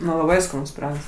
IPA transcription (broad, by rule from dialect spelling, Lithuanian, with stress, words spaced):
nʊ lˠɐˈbɐɪ skɐˈnʊs pʲiːˈrɑːɡɐs